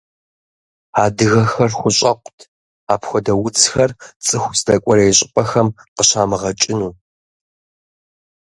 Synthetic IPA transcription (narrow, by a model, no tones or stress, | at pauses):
aːdɨɣɐxɐrxʷʊɕʼɐqʷtʰ | aːpxʷɔdɐwʊt͡sʰxɐrt͡sʼɨxʷsdɐkʷʼɔɾɐjɕʼɪpʼɐxɐmqəɕaːmɨʁɐt͡ʃʼɪnuː